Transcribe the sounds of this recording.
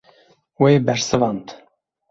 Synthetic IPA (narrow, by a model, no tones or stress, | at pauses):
wejbɛɾsɨvɑnt̪